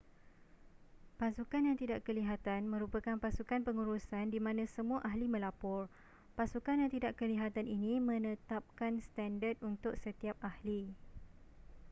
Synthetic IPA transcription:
pasukanjãŋt̪idaʔkəliɦat̪anmə̃ɾupəkanpasukanpəŋuɾusandimãnãsəmũaʔaɦlimə̃lapɔr | pasukanjaŋt̪idaʔkəliɦat̪aninĩmə̃nə̃t̪ap̚kanst̪andət̪̚unt̪ʊk̚sət̪iap̚ʔahli

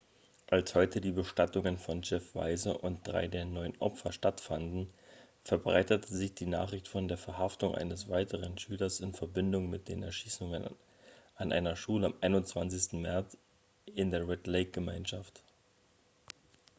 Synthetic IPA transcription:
ʔalshɔʏtʰədiːbəʃtatʊŋənfɔnd͡ʒɛfv̥a̰ɪzəʔʊnt̚d̥ʁa̰ɪdeːɐnɔʏənʔɔ̰pfɐʃtatfandn̩ | fɛɐbʁa̰ɪtətəzɪçd̥iːna̰ːχʁɪçtfɔndeːɐfɛɐɦaftʊŋʔa̰ɪnəsv̥aɪtəʁənʃyːlɐsɪnfɛɐbɪndʊŋmɪt̚d̥eːnɛ̰ɐʃiːsʊŋən | ʔanʔa̰ɪnɐʃuːləamʔaɪnʊnt͡sv̥ant͡sɪstn̩mɛɐt͡s | ɪndeːɐʁɛtleɪk̚ɡ̥əmaɪnʃaft

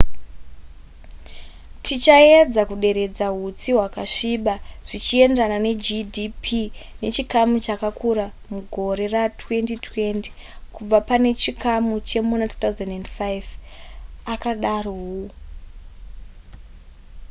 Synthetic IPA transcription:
tʰit͡ʃaed͡zakuɗe̞ɾe̞d͡zaɦut͡siwakaʂiɓaʐ̥it͡ʃie̞ndanane̞d͡ʒidipʰine̞t͡ʃikamut͡ʃakakʰuɾamuɡʱo̞ɾe̞ratwe̞ntitwe̞nti̥ | kub͡vapane̞t͡ʃikamut͡ʃe̞munatu̥t̪auzandendfajv | akaɗaroɦu

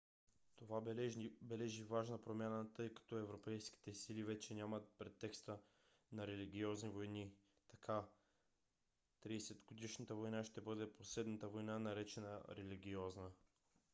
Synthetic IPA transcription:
t̪ovabɛlɛʒivaʒnəpɾomʲjanət̪ɤjkɐ̥t̪ɔɛvɾopɛjski̥t̪ɛsilivɛt͡ʃɛnʲamət̪̚pɾɛt̪ːɛkst̪ə | nɐɾɛliɡ̟ʲiɔznivojni | t̪ɐkʰa | t̪ɾisɛd̪ɡod̪iʃnət̪əvojnaʃt̪ɛbɤd̪ɛposlɛd̪nət̪əvojnanɐɾɛt͡ʃɛnə̰ɾɛliɡ̟ʲiɔznə

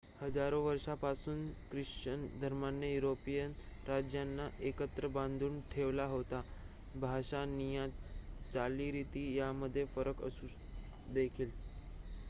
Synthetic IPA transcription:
həd͡zaɾoʋəɾʂapasuːnkɾiʂt͡ɕənd̪ʱəɾmanːejuɾopijənɾad͡ʑjanːaʔekət̪ɾəbãnd̪ʱuːɳʈʰeʋlaɦot̪a | bʱaɕanijãt̪t͡saliːɾit̪iːjaməd̪ʱːjefəɾəkə̰suː | d̪ekʰiːl

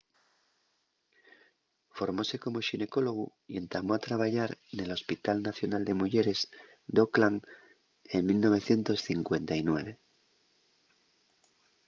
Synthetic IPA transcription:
fo̞ɾmo̞se̞ko̞mo̞ʃine̞ko̞lo̞ɣu | je̞nt̪amo̞at̪ɾaβ̞aʝaɾene̞lo̞spit̪alnaθjonald̪e̞muʝe̞ɾe̞z | d̪o̞klaŋ | eŋmilno̞βe̞θje̞nt̪o̞sθiŋkwe̞nt̪ainwe̞β̞e̞

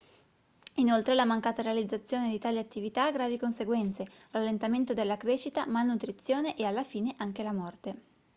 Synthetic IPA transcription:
inolt̪ɾelamaŋkaːt̪aɾealid̪zːat̪sːjoːned̪it̪aːliat̪ːivit̪aːɡɾaːvikonseɡwɛnt̪seralːent̪ament̪od̪elːakɾeːt͡ʃit̪a̰malnut̪ɾit̪sːjoːneʔealːafiːneʔaŋkelamɔrt̪e

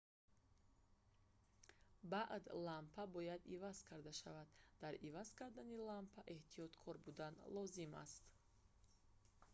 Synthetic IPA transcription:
baʔd̪lampʰabɔjad̪ivaz̥kʰaɾd̪aʃavad̪d̪aɾivazkʰaɾd̪anilampʰaʔe̞ht̪ʰijɔt̪kʰɔɾbud̪anlɔzima̰st̪

